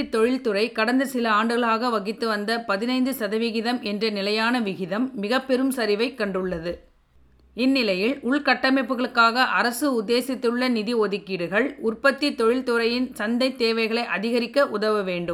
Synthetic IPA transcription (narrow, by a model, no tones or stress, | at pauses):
t̪ːɔɻɪlt̪ɯrɐɪkɐɽɐnd̪ɐsɪlɐaːɳɖɯɣɐɭaːɣɐʋɐɣɪt̪ːɯʋɐnd̪ɐpɐðɪnɐɪnd̪ɯsɐðɐʋɪɣɪðɐmʔɛndrɐnɪlɐjaːnɐʋɪɣɪðɐmːɪɣɐpːɛɾɯmsɐɾɪʋɐɪkːɐɳɖɯɭːɐðɯ | ɪnːɪlɐjɪlʊɭkɐʈːɐmɐɪpːɯɣɐɭɯkːaːɣɐʔɐɾɐsɯʊd̪ːeːsɪt̪ːɯɭːɐnɪðiɔðɪkːɪɽɯɣɐɭʊrpɐt̪ːit̪ɔɻɪlt̪ɯɾɐjɪnsɐnd̪ɐɪt̪ːeːʋɐɪɣɐɭɐɪʔɐðɪɣɐɾɪkːɐʔʊðɐʋɐʋeːɳɖɯm